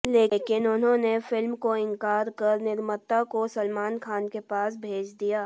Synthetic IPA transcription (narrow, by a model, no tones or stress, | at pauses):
leːkɪnʊnɦõnefɪlmkoɪ̃ŋkaːɾkəɾnɪɾmət̪akosəlmaːnkʰaːnkepaːsbʱeːd͡ʒd̪ijaː